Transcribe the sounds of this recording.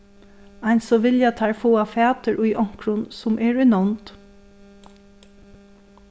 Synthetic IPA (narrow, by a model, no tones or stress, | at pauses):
ɑjnsɔʋɪljat̪ʰaɹfoːafæːt̪əɹʔʊjʔɔŋ̥kɾʊnsʊmʔɛɹʏnɔnt̪